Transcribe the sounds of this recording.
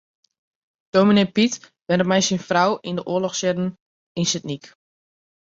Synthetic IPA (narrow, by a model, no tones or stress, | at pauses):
d̥ominepit | ʋɛnəmɛjsinfrawʔindəʔʊəlɔxsjɛdn̩ | insətnik